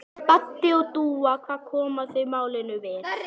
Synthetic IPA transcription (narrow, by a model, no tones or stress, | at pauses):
pat̪ːɪɔt̪uːakʰvaːðkʰɔːmasɛmaːwlɪnʏvɪ